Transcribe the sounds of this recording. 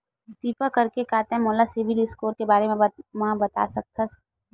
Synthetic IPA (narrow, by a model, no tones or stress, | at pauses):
t̪iːpakɐɾkekaːt̪eɦɛ̃moːlasɪʋɪlɪskoːɾkebaːɾemẽmabɐt̪a̰ːsɐk̚t̪ʰɐs